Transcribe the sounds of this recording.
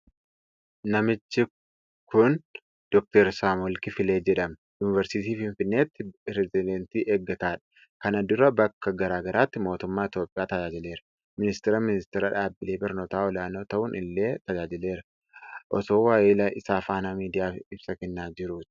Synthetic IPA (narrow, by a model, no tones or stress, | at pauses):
nɐmɪt͡ʃːɪ | kʊn | d̪̥ɔk̚t̪ɛɾsaːmɔlkɪfɪle̞ːd͡ʒɛᶑɐm | juːnɪvɛɾsɪt̪iːfɪnfɪnːe̞ːt̪ːɪɾɛzɪd̪ɛnt̪iːʔeːɡːɐt̪aːᶑɐ̥ | kɐnɐd̪ʊɾɐbɐkːɐɡɐɾaːɡɐɾaːt̪ːɪmo̞ːt̪ʊmːaːɪt̪joːpʼɪjaːt̪ɐd͡ʒaːd͡ʒɪle̞ːɾɐ | mɪnɪst̪ɛɾɐmɪnɪst̪ɛɾɐᶑaːbːɪleːbɐɾno̞ːt̪aːɔlaːnoːt̪ɐʔʊnʔɪlːe̞ːt̪ɐd͡ʒaːd͡ʒɪle̞ːɾɐ̥ | ʔɔ̰soːwaːʔɪlɐʔɪsaːfaːnamiːd̪ɪjaːfɪb̥sɐkɛnːaːd͡ʒɪɾuːt̪